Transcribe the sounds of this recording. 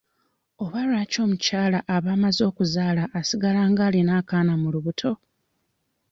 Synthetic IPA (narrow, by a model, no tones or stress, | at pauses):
o̞βaɾwaːco̞ːmucaːlaʔaβaːmazo̞ːkuzaːlaʔːsiɡalaːŋɡaːlinaːkaːnamuluβutʰo̞